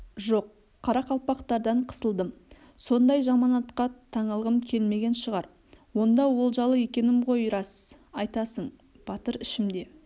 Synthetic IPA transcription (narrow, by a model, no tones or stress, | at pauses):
ʒoqʰː | ɑɾɑqʰɑlˠpɑqt̪ɑɾd̪ɑɴqʰə̥səlˠd̪əm | so̞nd̪ɑjʒɑmɑnɑt̪qɑt̪ʰɑɴəlˠʁəmkʲʰe̞lme̞ɡʲe̞nʃəʁɑɾ | wo̞nd̪ɑwo̞lˠʒɑlˠəje̞kʲe̞nɪmqo̞jɾɑsz | ɑjt̪ɑsəɴ | b̥ɑt̪əɾɪʃɪmd̪e̞